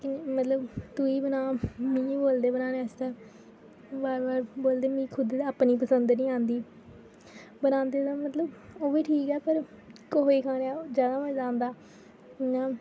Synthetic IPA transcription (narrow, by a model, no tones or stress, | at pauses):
kɪmət̪ləbt̪ʊiːbənaːmĩːboːld̪eːbənãːneəst̪ɛː | baːɾbaːɾboːld̪eːmĩːkʰʊd̪eːaːpniːpəsənd̪nĩːãːnd̪iː | bənãːnd̪eːd̪aːmət̪ləboːʋiːʈʰiːkɛːpəɾ | koɦeːkʰãːnaːd͡ʒjaːd̪aːmət͡ʃd͡ʒãːnd̪aː | ãː